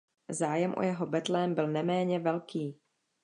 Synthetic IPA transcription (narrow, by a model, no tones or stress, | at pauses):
zaːjɛmʔo̰jɛɦo̞bɛt̪lɛːmbɪlnɛmɛːɲɛvɛlkiː